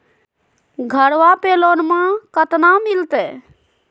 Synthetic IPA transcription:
ɡʱəɽʋapelonmãkət̪namilt̪ɛ

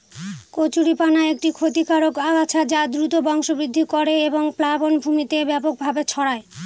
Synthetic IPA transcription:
kot͡ɕuɾipanaek̚ʈikʰot̪ikaɾokaɡat͡ɕʰad͡ʑad̪ɾut̪obɔŋʃobɾid̪ʱːikoɾeeboŋplabonbʱumit̪ebɛpok̚bʱabet͡ɕʰɔɽae

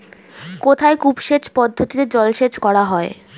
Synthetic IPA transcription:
kot̪ʰaekupʃet͡ɕpɔd̪ʱːot̪iɾed͡ʑɔlʃed͡ʑkɔɽaɦɔe

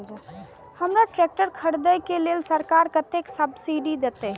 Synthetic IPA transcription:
həmɾaʈɾek̚ʈəɾkʰəɽd̪əjkelelsəɾkaɾkət̪eksəbsiɖid̪et̪ə

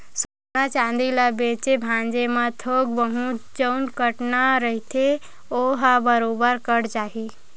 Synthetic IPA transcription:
sə | nat͡ʃãnd̪iləbet͡ʃebʱãnd͡ʒemãt̪ʰoɡ̚bəɦut̪d͡ʒənkəʈnaɾəɦit̪ʰe | oɦabəɾobəɾkəɽd͡ʒaɦi

